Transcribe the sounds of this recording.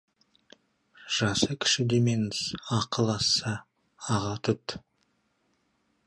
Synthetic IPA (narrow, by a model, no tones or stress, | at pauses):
ʒ̥ɑsəkʲʰɪ̥ʃɪd̪emensɑqəlˠɑsɑ | ɑʁɑt̪ʰʊt̪